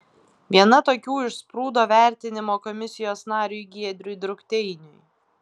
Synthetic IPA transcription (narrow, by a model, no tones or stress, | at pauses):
ʋʲiɛnɐt̪oːkʲuːɪʃspɾuːd̪oːʋʲæˑɾʲt̪ʲɪnʲɪmoːkɔmʲɪsʲɪjoːsnɑːɾʲujɡʲiɛd̪ʲɾʲʊjd̪ɾʊkt̪ʲɛɪnʲʊj